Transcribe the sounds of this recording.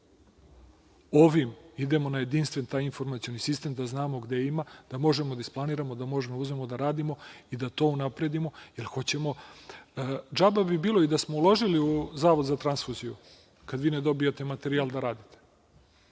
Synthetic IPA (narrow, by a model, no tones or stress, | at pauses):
oʋimid̪e̞mo̞naje̞d̪inst̪ʋe̞nt̪aːjinfo̞ɾmat̪sijo̞nisist̪emd̪aznaːmo̞ɡd̪e̞imad̪amo̞ʒe̞mod̪aisplˠaniːɾamo̞d̪amo̞ʒemouzme̞mo̞d̪aɾaːd̪imo̞id̪at̪o̞ːunapɾe̞d̪imo̞jelxo̞t͡ɕe̞mo̞ | d͡ʒababibiːlˠo̞id̪asmo̞ulo̞ʒiliuzaːʋo̞d̪zat̪ɾansfuziju | kad̪ʋiːned̪o̞bijat̪e̞mat̪e̞ɾiald̪aɾaːd̪it̪e̥